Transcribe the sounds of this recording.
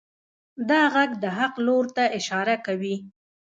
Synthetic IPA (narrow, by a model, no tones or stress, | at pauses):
d̪ɑɣaɡd̪əɦaqloɾt̪aʔɪʃɑɾakawi